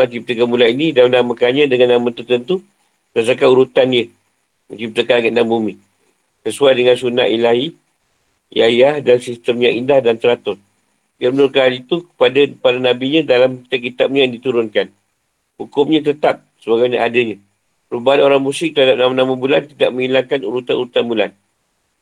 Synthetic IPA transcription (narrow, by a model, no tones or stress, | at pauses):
at͡ʃip̚t̪əkamulainidamnamə̃kanɲãdəŋanːamə̃t̪ərt̪ənt̪u | əas̬akanuɾut̪anjə | mət͡ʃip̚t̪əkanaŋaʔnambumi | səsuajdəŋansuna̰ʔilahi | ḭajahdansist̪əmjaŋindahdant̪əɾat̪ʊs | diabənʊrkaanit̪ukə̥padapadanãbiɲãdalamkit̪ap̚kit̪ap̚ɲajaŋdit̪uɾʊnkan | hukʊmɲãt̪̬ət̪ap̚səbaɡajɲaʔadəɲã | pəɾubaɦanoɾaŋmũsɪk̚t̪əɾhadap̚namanãmabulant̪idaʔmə̃ŋilaŋkanṵɾut̪anʔuɾut̪anbula̰n